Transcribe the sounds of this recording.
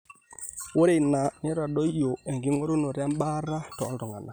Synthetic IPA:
wo˦ɾe˦˨na˨ne˦ɾa˨ɗɔ˦jo˨ɛ˨ŋɡi˨˦ŋo˦ɾo˦no˨ɾa˦m˦ba˦ɾa˦tɔ˨˦lɾɔ˨ŋa˨na˨

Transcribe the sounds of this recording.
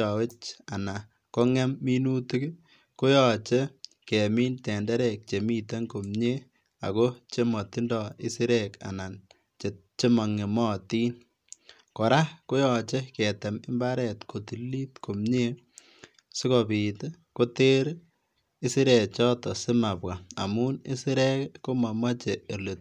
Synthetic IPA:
ɔ˨we˦t͡ʃa˨na˨ | ko˦ŋɛ˦mːi˦nu˦ti˦k | ko˦jɔ˨t͡ʃe˦ | kɛ˨mi˦ntɛ˨ndɛ˦ɾɛ˨k̚t͡ʃe˨mi˦te˦ŋko˨mɲe˦ | a̰˨ko˦t͡ʃe˦mɔ˨tɪ˦ndɔ˨ɪ˦sɪ˦ɾɛka̰˨na˨n | t͡ʃe˨t̚t͡ʃe˦mɔ˨ŋe˨mɔː˦tiː˦n | kɔ˨ɾa˦ko˦jɔt͡ʃe˦kɛte˨mɪ˦mba˦ɾɛ˨tkʰo˨ti˨li˦tko˨mɲe˦ | sɪ˦kɔ˨pi˨t | ko˦te˦ɾ | i˦si˦ɾɛ˨t͡ʃɔ˦tɔ˨sɪ˦ma˨pwa˨a̰˨mu˦nɪ˦sɪ˦ɾɛ˦kko˦ma˨ma˦t͡ʃeː˨lo˨t̚

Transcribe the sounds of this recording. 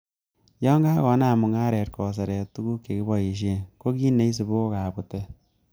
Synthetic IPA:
jɔ˦ŋɡa˦kɔ˨˦na˦˨mʊ˨ŋa˦ɾɛ˨tkɔ˨s̬e˨ɾɛ˨tu˦ɡu˦kːe˨ki˦bɔ˨i˨ʃ̬e˦ŋko˦ki˦ne˦i˦s̬e˨bo˦ka˨bu˨tɛ˦

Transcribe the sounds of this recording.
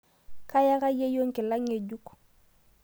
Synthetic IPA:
ka˦ja˦ka˦je˦jo˦ŋke˨la˦ŋe˨ɟu˦k

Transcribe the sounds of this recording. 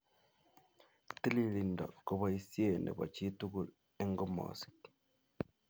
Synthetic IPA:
t̪i˦li˨li˨nda̰˨ko˦˨βa˦i˦sje˨nḛ˨ba̰˨t͡ʃi˦tu˦ɡu˨l | e˦ŋɡo˦ma̰si̥t

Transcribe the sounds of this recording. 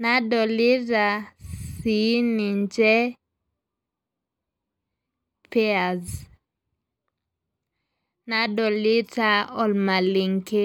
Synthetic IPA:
na˦dɔ˨li˦ɾa˨si˨˦ni˨ɲd͡ʒɛ˦ | pe˦a˨z | nadɔ˨li˦ta˦ɔ˨lma˨li˨ŋke˦

